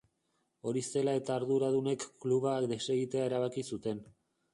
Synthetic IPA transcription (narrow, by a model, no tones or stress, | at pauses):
o̞ɾise̞lae̞t̪aːɾðuɾaðune̞kːluβakd̪e̞se̞ɣit̪e̞ae̞ɾaβ̞akisut̪e̞n